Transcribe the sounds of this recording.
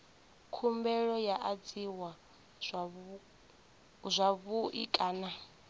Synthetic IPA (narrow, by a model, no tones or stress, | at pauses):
kʰumbɛɺɔjaʔad͡ziwa | zʷaβuʔikʼaːna